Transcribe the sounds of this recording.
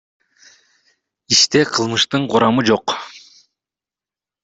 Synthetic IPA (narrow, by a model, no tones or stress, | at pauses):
iʃt̪eqʰɯlˠmɯʃt̪ɯɴquɾɑmɯd͡ʒo̞q